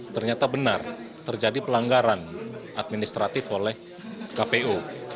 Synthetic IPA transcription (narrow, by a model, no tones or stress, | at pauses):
t̪ərɲat̪abənart̪ərd͡ʒadipəlaŋɡaɾanʔat̪̚minist̪ɾat̪ɪfolɛh | kapeo